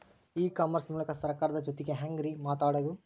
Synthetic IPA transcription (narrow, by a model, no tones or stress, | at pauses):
iːkaːmɐɾsmuːlɐkɐsɐɾkaːɾɐd̪ɐd͡ʒot̪iɡeɦaŋɡɾimaːʈaːɽɐd̪u